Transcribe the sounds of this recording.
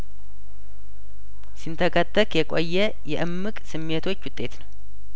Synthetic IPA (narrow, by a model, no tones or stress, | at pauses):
sɨnt̪ʰəkʰət̪ʼːəkjɛkʼo̰jːɛ | jɛʔɨmːɨkʼsɨmːet̪ʰo̞t͡ʃːwʊt̪ʼːe̞t̪nəw